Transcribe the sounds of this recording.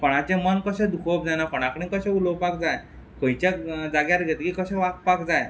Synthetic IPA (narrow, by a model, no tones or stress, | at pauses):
pɔɽ̃at͡ɕẽmənkəɕɛ̃d̪ukʰop̚d͡zanakɔɽ̃akɽĩkəɕɛ̃ulɔwpak̚d͡zaj | kə̃jt͡ɕad͡zaɡjaɾɡʱɛt̪kikəɕɛ̃ʋak̚pakd͡zaj